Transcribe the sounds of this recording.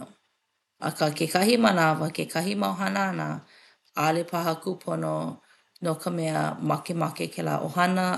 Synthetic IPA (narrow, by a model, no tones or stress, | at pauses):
ɐ̰kakʰekʰɐɦimɐnavəkekʰɐɦimɐwɦɐnanə̰ | alepʰaɦɐkupʰono | nokʰəmɛə̰mɐkemakekʰela̰ʔohɐnə